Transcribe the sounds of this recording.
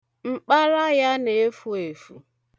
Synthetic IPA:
ŋ͡m̩˦k͡pa˦ɾa˦ja˦ne˨e˦fu˦e˨fu˨

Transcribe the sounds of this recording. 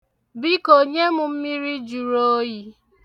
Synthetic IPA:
bi˦ko˨ɲe˦mʊ˨m̩˦mi˦ɾi˦d͡ʒu˨ɾo˦ji˦

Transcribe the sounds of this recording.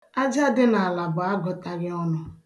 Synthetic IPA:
a˦d͡ʒa˦dɪ˦na˨a˨la˨bʊ˨a˦ɡɔ˨ta˨ɾɪ˦ɔ˦nɔ˨

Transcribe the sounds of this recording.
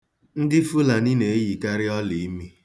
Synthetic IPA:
n̩˦dɪ˦fu˦la˨ni˦ne˨e˦ji˨ka˦ɾɪ˦ɔ˦li˨i˦mi˦

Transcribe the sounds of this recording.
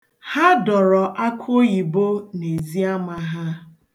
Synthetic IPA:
ha˦dɔ˨ɾɔ˨ʔa˦kʰʊ˦ji˨bo˦ne˨zi˦a˦ma˨ɦa˦

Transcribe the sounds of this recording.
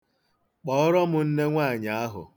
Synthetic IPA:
k͡pɔ˦ɔ˦ɾɔ˦mʊ˨n̩˦ne˦ŋʷa˦˨ɲa˨a˦ɦʊ̰˨

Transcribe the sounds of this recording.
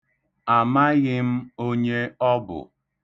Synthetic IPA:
a˨ma˦ɣɪ˦m̩˦o˦ɲe˦ɔ˦bʊ̰˨

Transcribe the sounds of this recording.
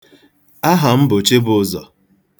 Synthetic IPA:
a˦ɦa˨m̩˦bo˨t͡ʃe˦bʊ˨˦˨zɔ̰˨

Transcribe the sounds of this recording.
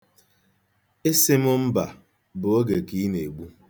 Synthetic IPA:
e˦sɪ˦mʊ˦m̩˦ba˨ | bʊ˨o˦ɡe˨ki˦ne˨ɡ͡bu˦

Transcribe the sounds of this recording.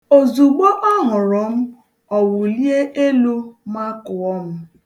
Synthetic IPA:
o˨zu˨ɡ͡bɔ˦ʔɔ˦ɦʊ˨ɾɔ˨m̩˦ | ɔ˨wʊ˨li˦e˦ʔe˦lu˦ma˦kʊ˨ɔ˦m̩˦

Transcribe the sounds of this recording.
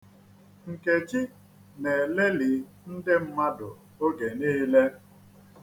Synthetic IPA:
ŋ̩˨ke˨t͡ʃɪ˦ | ne˨le˦li˨˦ | n̩˦dɪ˦m̩˦ma˦dʊ˨ | o˦ɡe˨niː˦le˦

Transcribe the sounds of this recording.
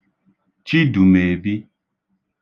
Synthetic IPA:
t͡ʃi˦du˨me˨bi˦

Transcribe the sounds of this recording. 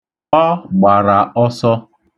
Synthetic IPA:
ɔ˦ɡ͡ba˨ɾa˨ɔ˦sɔ˦

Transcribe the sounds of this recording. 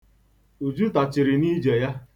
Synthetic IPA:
u˨d͡ʒu˦ta˨t͡ʃɪ˨ɾɪ˨ni˦d͡ʒe˨ja˦

